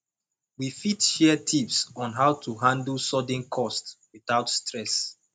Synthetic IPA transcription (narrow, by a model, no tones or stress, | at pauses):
wifitʃɛtʰipsɔ̃nɦaʊtʰuɦãndlsɔdə̃nkʰɔstwiθaʊtstɹɛs